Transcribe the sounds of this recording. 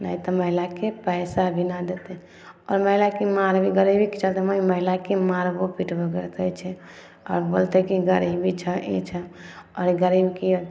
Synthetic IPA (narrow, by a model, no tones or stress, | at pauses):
nə̰it̪ɔməɦilakepəɪsabʱinad̪et̪ɛ | ɔɾməɦilakemaɾbʱiɡəɾibʱikit͡ʃat̪ɛməiməɦilakemaɾbopiʈbəɡəɾt̪ət͡ʃʰɛ | ɔ̰ːɾbolt̪ekiɡəɾibʱit͡ʃʰəʔḭt͡ʃʰɛɔɾiɡəɾibkio